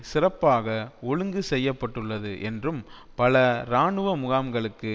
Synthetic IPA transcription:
sɪrɐpːaːɣɐɔɻɯŋɡɯsɛjːɐpːɐʈːɯɭːɐðɯʔɛndrɯm | pɐlɐɾaːɳɯʋɐmʊɣaːmɡɐɭɯkːɯ

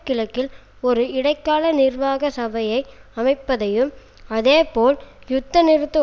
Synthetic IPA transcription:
kːɪlɐkːɪl | ɔɾɯɪɽɐɪkːaːlɐnɪrʋaːɣɐsɐbɐjɐɪɐmɐɪpːɐðɐjɯm | ɐðeːpoːljʊt̪ːɐnɪɾɯt̪ːɐ

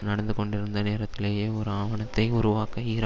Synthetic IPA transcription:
nɐɽɐnd̪ɯkɔɳɖɪɾɯnd̪ɐneːɾɐt̪ːɪleːjeːɔɾɯaːʋɐɳɐt̪ːɐɪʊɾʊʋaːkɐiːɾ

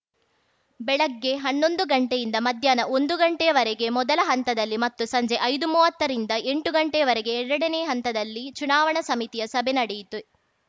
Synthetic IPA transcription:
bɛɭɐɡːe̞ɦɐnːo̞nd̪uɡɐɳʈejind̪ɐmɐd̪ʱjaːnɐʔo̞nd̪uɡɐɳʈɛjɐʋɐɾeɡe̞mɔd̪ɐlɐɦɐnt̪ɐd̪ɐlːimɐt̪ːusɐɲd͡ʒe̞ʔɐjd̪umuːʋɐt̪ːɐɾind̪ɐʔe̞ɳʈuɡɐɳʈejɐʋɐɾeɡe̞ːɾɐɽɐneːɦɐnt̪ɐd̪ɐlːit͡ʃunaːʋɐɳɐsɐmit̪ijɐsɐbʱenɐɽejit̪u

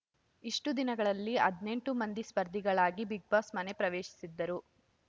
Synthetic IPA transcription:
iʂʈud̪inɐɡɐɭɐlːiɐd̪ne̞ɳʈumɐnd̪ispɐɾd̪ʱiɡɐɭaːɡibiɡ̚baːsmɐnepɾɐʋeːʃi̥sid̪ːɐɾu

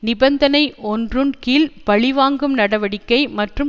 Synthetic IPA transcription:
nɪbɐnd̪ɐnɐɪʔɔndrɯnkiːlpɐɭɪʋaːŋɡɯmnɐɽɐʋɐɽɪkːɐɪmɐʈrɯm

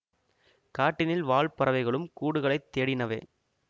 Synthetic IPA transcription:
kaːʈːɪnɪlʋaːɭpɐɾɐʋɐɪɣɐɭɯmkuːɽɯɣɐɭɐɪt̪ːeːɽɪnɐʋḛː

